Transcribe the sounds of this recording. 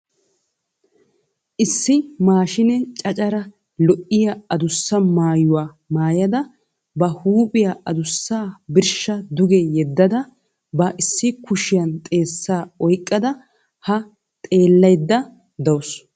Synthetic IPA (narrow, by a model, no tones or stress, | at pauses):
ʔɪsːɪmaːʃɪnɛt͡ʃʼɐt͡ʃʼɐɾɐ | lɔʔɪjaɐd̪ʊsːɐmaːjʊwaː | maːjɐd̪ɐ | bɐhuːpʼɪjaʔɐd̪ʊsːaːbɪɾʃɐd̪ʊɡɛjɛd̪ːɐd̪ɐ | bɐʔɪsːɪkʊʃɪjɐnt̪ʼe̞ːsːaːɔjkʼːɐd̪ɐ | hɐ | t̪ʼe̞ːlːɐjd̪ːɐ | d̪ɐws